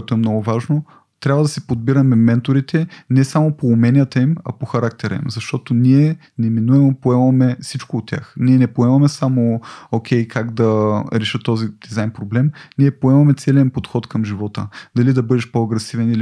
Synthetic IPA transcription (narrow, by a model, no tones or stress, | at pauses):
ɛt̪oɛmnɔɡʊvaʒno | t̪ɾʲabvəd̪ɐsɛpod̪̚biɾɐmɛmɛnt̪oɾit̪ɛnɛsamopoːmɛnʲijət̪əimɐ̰poxɐɾak̚t̪ɛɾə̰imzɐʃt̪ɔt̪oniɛ | nɛminuɛmopoɛmɐmɛsit͡ʃkoːt̪ʲːja̰xniɛnɛpoɛmɐmɛsamookʲʰɛjkaɡd̪ɐɾɛʃət̪ːɔzid̪̥izajnpɾoblɛmniɛpoɛmɐmɛt̪sɛlʲɛnpot̪xɔt̪kɐmʒivɔt̪ə̰d̪ɐlid̪ɐbɤd̪ɛʃpoɐɡɾɛsivɛnili